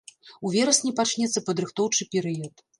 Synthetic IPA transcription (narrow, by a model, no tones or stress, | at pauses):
uvʲɛɾɐsʲnʲipat͡ʂnʲɛt̪sːɐpɐd̪ɾɨxt̪ɔwt͡ʂɨpʲɛɾɨjɐt̪